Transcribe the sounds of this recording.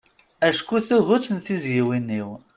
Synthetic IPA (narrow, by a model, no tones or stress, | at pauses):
æʃkuθuʝut͡sːnθizjiwinːiw